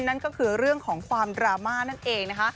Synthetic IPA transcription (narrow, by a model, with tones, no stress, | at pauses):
nːa˥˩nkɔː˥˩kʰɯː˧ɾɯ˥˩əŋkʰɔː˩˦ŋkʰwaː˧mdɾaː˧maː˥˩na˥˩nʔeː˧ŋna˦˥kʰa˦˥ʔ